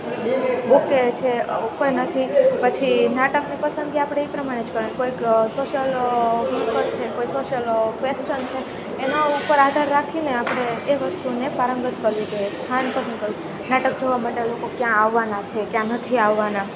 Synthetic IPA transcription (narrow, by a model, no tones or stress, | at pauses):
buket͡ʃʰekojnət̪ʰipət͡ʃʰinaʈəknipəsənɡiapɽ̃eipɾəmaɽ̃ed͡ʒkəɾənkoiksoʃəlɦuʈkəɾt͡ʃʰekoisoʃəlkʋest͡ʃənt͡ʃʰeː | naupəɾad̪ʱaɾːakʰineapɽ̃eːʋəst̪unepaɾəŋɡət̪̚kəɾʋid͡ʒojest̪ʰanpəsənkəɾʋi | naʈək̚d͡ʒoʋamaʈelokokjãːʋːanat͡ʃʰekjãnət̪ʰiaʋːana